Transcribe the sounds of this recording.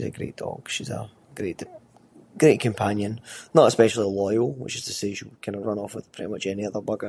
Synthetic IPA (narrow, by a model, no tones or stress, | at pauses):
ʃizə̰ɡɹḛʔd̥ɔ̰ɡ̥ʃizə̰ | ɡ̥ɹeʔd̥ | ɡ̥ɹeʔkʰə̃mpʰãnjə̃nnəʔəspɛʃl̩ˠilˠɔɪəlˠwɪ̰t͡ʃɪz̥tʰəseʃikʰãɪ̃ndəvɹʌ̃nɔfwɪð̥pʰɹ̥ɪ̰ʔimʌt͡ʃɛniʌðə˞bʌɡə˞